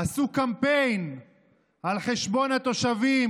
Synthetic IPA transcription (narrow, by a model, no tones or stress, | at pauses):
asukampejn | alχeʃbo̞nat̪o̞ʃavim